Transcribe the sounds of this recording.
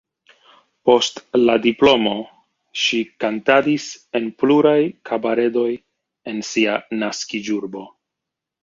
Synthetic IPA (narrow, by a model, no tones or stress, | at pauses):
po̞stladiplo̞mo̞ | ʃikantadise̞npluɾajkʰabaɾe̞do̞j | e̞nsianaskid͡ʒuɾbo̞